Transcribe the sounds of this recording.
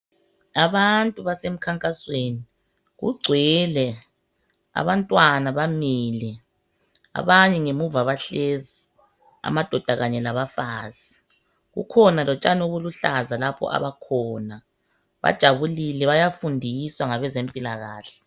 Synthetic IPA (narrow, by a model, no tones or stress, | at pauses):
aβantʼuβasem̩kʰaŋkʼasweːni | ɣṵɡ͡ǀʱwɛlɛ | a̰βantʼwanaβamiːlɛ | a̰βaɲɛŋemuvaβaɬezi | a̰mad̥ʱɔd̥ʱaɣaɲɛlaβafaːzi | ɣṵkʰɔnalɔt͡ʃʼanoβuluɬazalapʰɔ̰ʔa̰βakʰɔna | βa̰d̥ʒ̥ʱaβulilɛβajafundʱiswaŋaβɛzempʼilaɣa̰ːɬɛ̥